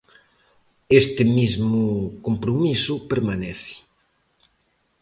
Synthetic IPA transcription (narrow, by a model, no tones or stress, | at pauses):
est̪ɪmizmʊkompɾomisʊpeɾmanɛθɪ̥